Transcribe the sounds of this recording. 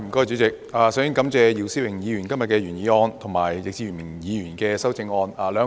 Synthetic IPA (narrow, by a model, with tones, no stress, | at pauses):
m̩˨˩kɔː˥t͡ʃy˨˥t͡sɪ˨k̚aː˨˧sœ˨˥ŋkɐ˨˥mt͡sɛː˧jiː˧wsiː˥wɪ˨˩ŋjiː˨˧jy˨˩nkɐ˥mjɐ˨t̚kɛː˧ɥyː˨˩njiː˨˧ɔː˧nt̪ʰʊ˨˩ŋmaː˨˩jjɪ˨k̚t͡siː˧˩yː˨˩nmɪ˨˩ŋjiː˨˧ɥyː˨˩nkɛː˧sɐ˥wt͡sɪ˧ŋɔː˧naː˨˧lœː˨˧